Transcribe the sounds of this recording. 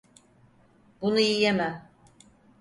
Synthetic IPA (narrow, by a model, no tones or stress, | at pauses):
bunuijemæ